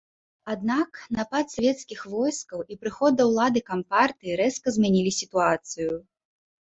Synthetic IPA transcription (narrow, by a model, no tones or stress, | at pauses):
ad̪naknapat̪sʲvʲɛt̪skʲixvɔjskɐwipɾɨxɔd̪̚d̪ɐwlˠad̪ɨkampart̪ɨiɾɛskɐzʲmʲanʲilʲisʲit̪uat̪sɨju